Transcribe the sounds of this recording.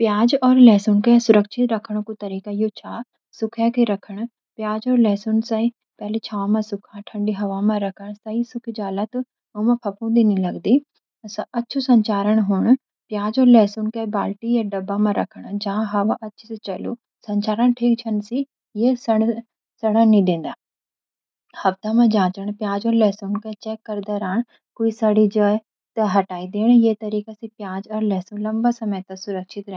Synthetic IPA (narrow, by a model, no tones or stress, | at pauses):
pjaːd͡ʒɔːɾlɛːsʊnkesʊɾəkʃʰɪt̪ɾɐkʰəɽ̃õkot̪ɐɾiːkajoːt͡ʃʰaː | sʊkʰjakeɾɐkʰəɽ̃ | pjaːd͡ʒɔːɾlɛːsʊnsɐi | pɛɦlet͡ʃʰaːamãsʊkʰãʈʰə̃ɳɖiɦɐʋaːmãɾɐkʰəɳ̃sɐisʊkʰid͡ʒaːlat̪ | oːmãpʰɐpõd̪inĩlɐɡd̪i | sɐtːʃʰusɐ̃ɲt͡ʃaːɾəɳ̃ɦʊːɳ̃ | pjaːd͡ʒɔːɾlɛːsʊnkabaːlʈijaɖɐbːamãɾʔɐ̰kʰəɽ̃d͡ʒããɦɐʋãʔɐtːʃʰiset͡ʃɐlṵ | sɐ̃ɲt͡ʃaːɾəɳʈʰiːk̚t͡ʃʰɐnsi | jesɐɽ | sɐɽanĩd̪ẽːn̆d̪aː | hɐft̪amãd͡ʒãːt͡ʃəɳ̃pjaːd͡ʒɔːɾlɛːsunkat͡ʃɛːkːɐɾd̪aɾaːɳ | koːisaɽid͡ʒə | t̪ɐɦɐʈaːid̪eːɽ̃jeːt̪ɐɾiːkasĩpjaːd͡ʒɔːɾlɛːsũlɐmbasɐməjt̪ãsʊɾəkʃʰɪt̪ɾɛ̃